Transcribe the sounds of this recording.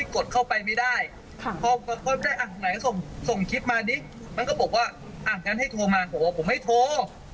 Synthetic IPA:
ko˨˩t̪̚kʰa˥˩wpa˧jma˥˩jdaː˥˩jʰ | pʰɔː˧˨kɔː˧˩kʰɔː˧˥˩pdaː˥˩jʔaː˨˩t̪ʰa˧˩na˨˦jso˨˩ŋso˨˩ŋkʰi˦˥t̪̚maː˧niː˦˥ | ma˧nkɔː˥˩bɔː˨˩k̚waː˥˩ʔaː˨˩ŋkaː˧nɦa˥˩jt̪ʰoː˧maː˧bʰɔː˨˦waː˥˩pʰo˩˦mːa˥˩jt̪ʰoː˧

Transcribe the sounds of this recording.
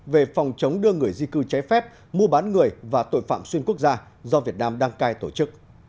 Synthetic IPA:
ve˨˩fɔ˨˩wŋ͡mt͡ɕə˨˦wŋ͡mɗɨ˧əŋɨ˨˩əjzi˧kɨ˧t͡ɕa˨˦jfɛ˦˥p̚ | mu˧əɓaː˨˦nŋɨ˨˩əjvaː˨˩t̪o̰˧˨jfa̰ː˧˨mswi˧ənku˦˥ək̚zaː˧ | zɔ˧vi˨˩ət̚naː˧mɗaː˧ŋkaː˧jt̪o˧˩t͡ɕɨ˦˥k̚

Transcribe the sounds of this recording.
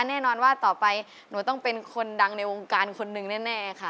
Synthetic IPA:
nɛː˥˩nɔː˧nwaː˥˩t̪ɔː˨˩pa˧j | nuː˩˦t̪ɔ˥˩ŋpe˧nkʰo˧nda˧ŋna˧jwoː˧ŋkaː˧nkʰo˧nːɯ˨˩ŋnɛː˥˩nɛː˥˩kʰa˥˩

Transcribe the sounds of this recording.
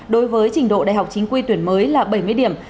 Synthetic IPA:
ɗo˨˦jvəː˨˦jt͡ɕï˧˩ŋ̟ɗo̰˧˨ɗa̰ː˧˨jɦwk͡p̚t͡ɕi˨˦ŋ̟kwi˧t̪wi˧˩ənməː˨˦jlaː˨˩ɓə˧˩jmɨ˧əjɗi˧˩əm

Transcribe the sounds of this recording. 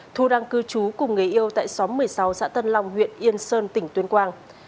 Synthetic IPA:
t̪ʰu˧ɗaː˧ŋkɨ˧t͡ɕu˨˦kʊ˨˩ŋ͡mŋə˨˩jʔi˧əwt̪a̰ː˧˨jsɔ˨˦mɨ˨˩əjsa˨˦wsa̰ː˧˥t̪ə˧nla˧wŋ͡mhwḭ˧˨ənʔi˧ənsəː˧nt̪ï˧˩ŋ̟t̪wi˨˦nkwaː˧ŋ

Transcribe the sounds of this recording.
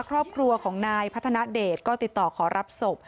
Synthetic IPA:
kʰɾɔː˥˩p̚kʰɾu˧ɐkʰɔː˩˦ŋnaː˧jpʰa˦˥t̪ʰːa˧na˦˥deː˨˩t̪̚kɔː˥˩t̪i˨˩t̪ːɔː˨˩kʰɔː˩˦ɾʔa˦˥p̚so˨˩p̚

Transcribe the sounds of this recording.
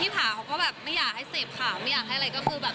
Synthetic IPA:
iː˥˩pʰaː˨˩˦kʰa˧˦kɔː˥˩bɛː˨˩p̚ma˥˩jːaː˨˩k̚ha˥˩jseː˨˩p̚kʰaː˨˩˦ma˥˩jaː˨˩k̚ɦa˥˩jʔɾa˧jkɔ˥˩kʰɯː˧bɛː˨˩

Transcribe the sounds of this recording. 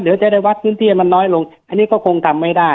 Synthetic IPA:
lɯ˩˦t͡ɕa˨˩ɾaː˥˩jwa˦˥t̪̚pʰɯː˦˥nt̪ʰiː˥˩ma˧nːɔː˦˥jlo˧ŋʔa˧nːiː˦˥kɔː˥˩kʰo˧ŋt̪ʰa˧mːa˥˩jdaː˥˩

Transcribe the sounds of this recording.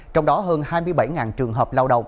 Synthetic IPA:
t͡ɕɔ˧wŋ͡mɗɔ˨˦ɦəː˧nhaː˧jmɨ˧əjɓa˧˩jŋaː˨˩nt͡ɕɨ˨˩əŋɦəː˨˩p̚laː˧wɗə˨˩wŋ͡m

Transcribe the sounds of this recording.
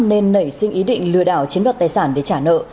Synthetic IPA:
ne˧nːə˧˩jsï˧ŋ̟ʔi˨˦ɗḭ̈˧˨ŋ̟lɨ̰˧˨əɗaː˧˩wt͡ɕi˨˦ənwaː˨˩t̚t̪aː˨˩saː˧˩nɗe˧˩t͡ɕaː˧˩nə̰ː˧˨

